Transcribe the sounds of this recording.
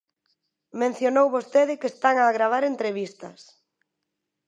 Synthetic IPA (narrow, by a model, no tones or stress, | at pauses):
mẽn̟θjonowβost̪eðɪkest̪aŋaːɣɾaβ̞aɾent̪ɾeβist̪ɐs